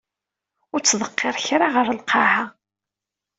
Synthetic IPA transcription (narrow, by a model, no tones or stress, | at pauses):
ʊɾt͡sːðˤəqːeɾˤçɾaʁəɾəlqɑha